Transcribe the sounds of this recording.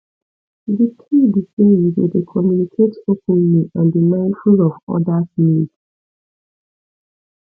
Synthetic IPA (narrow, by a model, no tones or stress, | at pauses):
ditʰidisewidedekʰɔmjũnikʰetokʰũnnũãndimãɪ̃ndfulɔvɔ̰dasnĩd